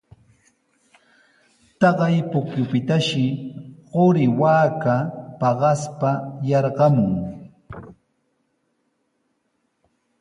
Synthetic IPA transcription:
t̪ɑɢɑjpʊkjʊpɪt̪aʃɪɢoɾɪwaːkapɑɢɑspajɑɾɢɑmʊŋ

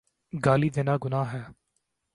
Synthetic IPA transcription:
ɡaːliːd̪ɪnaːɡʊnaːɦɛː

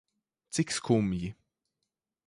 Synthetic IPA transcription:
t͡sɪkskʰumji

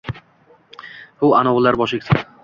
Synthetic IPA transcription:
bʊanɒwlːaɾbɒʃɪkʲt̪ʰa

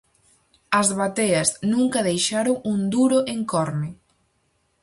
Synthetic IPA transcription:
ɐzβat̪eɐznũŋkɐðejʃaɾoŋund̪uɾoʔeŋkɔɾmɪ

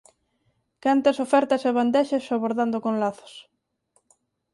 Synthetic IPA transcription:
kant̪asofɛɾt̪ɐseβand̪ɛʃesːoβoɾðand̪okõnlaθo̥s

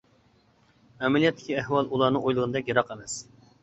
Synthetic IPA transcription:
ɛmɛlijɛt̪ːɪ̥kʲiæhwɑlˠulˠɑːnɨŋojlˠəʁənɨd̪ɛkʲjɑɾɑqemɛs

